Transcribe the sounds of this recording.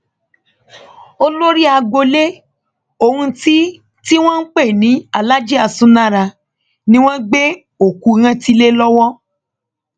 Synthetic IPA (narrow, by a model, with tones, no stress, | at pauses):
o˦lo˦ɾi˦a˧ɡ͡bo˧le˦ | o˨hũ˧ti˦ | ti˦w̃ɔ̃˦n̩˦k͡pe˦˨nĩ˨˦a˨la˦d͡ʒi˦a˧˨sũ˧˦nã˦˨ɾa˧ | nĩ˦w̃ɔ̃˦ɡ͡be˦ | o˨ku˧ɾ̃ã˧ti˦le˦lɔ˦wɔ˦